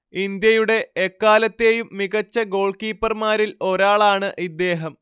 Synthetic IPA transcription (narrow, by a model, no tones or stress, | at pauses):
ind̪jɐjuɽe̞ːkːaːlɐt̪ːe̞jumːiɣɐt͡ɕːɐɡo̞ːɭkiːpːɐrmaːɾilo̞ɾaːɭaːɳɨʔid̪ːe̞ːɦɐm